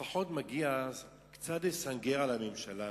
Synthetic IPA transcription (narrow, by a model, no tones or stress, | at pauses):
aħotmaɡiaaz | kt͡sadesaŋɡeʁalamemʃala